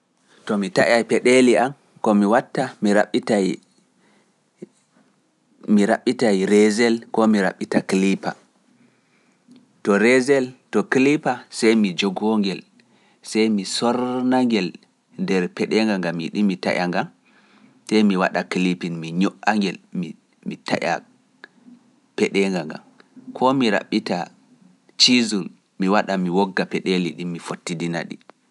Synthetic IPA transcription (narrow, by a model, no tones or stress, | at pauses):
tɔmita̰ʔajpɛɗeliam | kɔmiwatːamiɾaɓita | miɾa̰ɓːitajɾɛzɛlkɔmiɾa̰ɓːitakilipa̰ | tɔɾɛzɛltɔklipasajmid͡ʒɔɡɔŋɡɛl | sajmisɔɾnaŋɡɛl | ndɛɾpɛɗɛŋɡaŋɡamḭɗimita̰ʔaŋɡam | sɛjmiwa̰ɗaklipinmiɲɔʔaŋɡɛlmi | mita̰ʔa̰ | pɛɗɛŋɡaŋɡa̰mkʰɔmiɾa̰ɓita | t͡ʃizul | miwaɗamiwɔɡːapɛɗeliɗimːifotːidina̰ɗḭ